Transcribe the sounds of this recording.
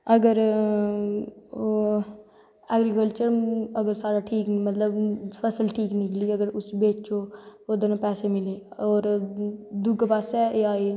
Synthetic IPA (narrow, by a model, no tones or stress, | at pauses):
əɡəɾ | oː | ɛːɡɾikəlt͡ʃəɾəɡəɾsaːɾaːʈʰiːkmət̪ləbpʰəsəlʈʰiːknɪkliːəɡəɾʊsbeːt͡ʃoːoːd̪enãːpɛːsemɪleːɔːɾ | d̪ʊɡpaːsɛːeaːe